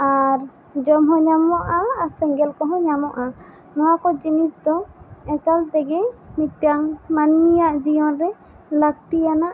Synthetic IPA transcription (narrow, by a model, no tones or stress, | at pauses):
aɾ | d͡ʒɔmɦɔ̃ɲamɔʔasɛŋɡɛlkɔɦɔ̃ɲamɔʔa | nɔwakɔd͡ʒinisd̪ɔɛkalt̪ɛɡɛmitaŋmanːijaʔd͡ʒijɔnɾɛ | lak̚t̪ijanaʔ